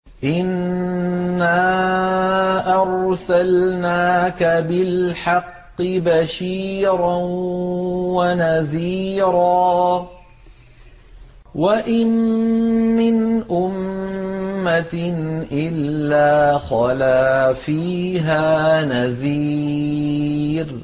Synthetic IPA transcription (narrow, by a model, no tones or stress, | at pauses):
ʔɪnː | aː | ʔɑɾˤsalnaːkabɪlħɑqːɪbaʃiːɾan | wanaðiːɾaː | waʔɪmː | ɪnʔʊmː | at̪nʔɪlːaːxɑlaːfiːɦaːnaðiː | ɾ